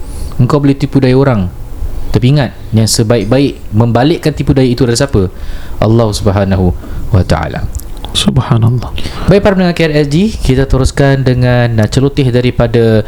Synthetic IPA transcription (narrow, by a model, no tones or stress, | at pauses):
əŋkawbolɛht̪ipudajioɾaŋt̪ərpiŋat̪̚jaŋsəbaɪk̚baɪʔmə̃mbalɪʔkant̪ipudajait̪udaɾisapəʔa̰lːɑhsubəɦanaɦuwat̪a̰a̰la̰subhanalˤːɑbaɪʔ̚paɾamnəŋankaɛɾɛsd͡ʒikit̪at̪əɾoskandəŋant͡ʃəlot̪ɪhdaɾipada